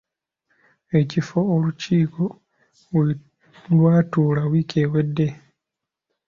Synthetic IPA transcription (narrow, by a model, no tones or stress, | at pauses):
e̞cifoːluciːko | lwaːtuːlawiːkeːwedːe̞